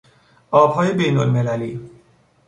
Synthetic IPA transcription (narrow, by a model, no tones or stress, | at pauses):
ɔbʱɔjebenonmelali